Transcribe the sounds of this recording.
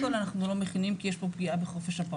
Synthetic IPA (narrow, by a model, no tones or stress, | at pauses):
olanaχnulo̞meχinimkijeʃbo̞pɡiʔabeχo̞fe̞ʃhapa